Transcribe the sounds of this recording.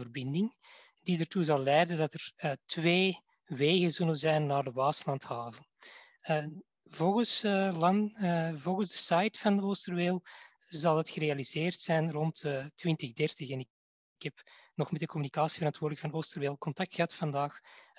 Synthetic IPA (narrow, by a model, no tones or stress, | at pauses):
ərbɪndɪŋ | didartuzɑlˠlɛjdəndɑtərətβeː | ʋeːɣəzɵləzɛjnːaːrdəβaːsəlɑnthaːvəl | ə | vɔlˠɣəslɑnvɔlˠɣənzdəsajtfɑnoːstərʋeːlˠzɑlˠdɑtxəɾeɑlizeːrtsɛjnrɔntːtwɪntəɣdɛrtəxɛnɪ | khɛpnɔxmɛt̚dəkɔmynikaːsivəɾɑntwoːrdləkfɑnoːstərʋeːlˠkɔntɑk̚txəɦɑtfɑndaːx